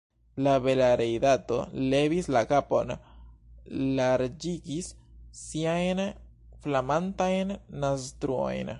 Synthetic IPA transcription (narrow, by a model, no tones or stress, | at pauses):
laβe̞laɾejd̪at̪o̞̰le̞vislakapo̞̰n | laɾd͡ʒiɡisːiajn | flamantajnːas̬t̪ɾuo̞̰jn